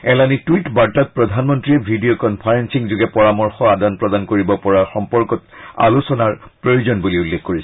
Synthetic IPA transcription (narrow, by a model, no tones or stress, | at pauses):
ɛlanitwitbaɹtat̚pɹɔdʱanmɔntɹiɛbʱidijɔkɔnpʰaɹensiŋzuɡɛpɔɹamɔɹxɔadanpɹɔdankoɹibɔpɔɹaxɔmpɔɹkɔta̰lusɔnaɹpɹojuzɔnbuliulːexkoɹisɛ